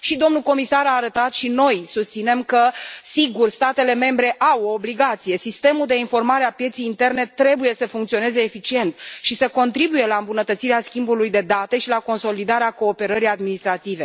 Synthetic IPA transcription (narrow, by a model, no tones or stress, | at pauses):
ʃid̪o̞mnuko̞misaɾaːɾət̪at̪ʃino̞jsust̪sine̞mkəsiɡurst̪at̪e̞le̞me̞mbɾe̞ʔawo̞ːbliɡat̪sije̞sist̪e̞muld̪e̞info̞rmaɾeapje̞t̪sijint̪e̞rne̞t̪ːɾe̞buje̞səfuŋkt̪sio̞ne̞ze̞ːfit͡ʃie̞nt̪ʃisəko̞nt̪ɾibuje̞laɨmbunət̪ət̪siɾeaskʲimbulujd̪e̞d̪at̪e̞ʃilako̞nso̞lid̪aɾeako̞ːpe̞ɾəɾijad̪minist̪ɾat̪ive̞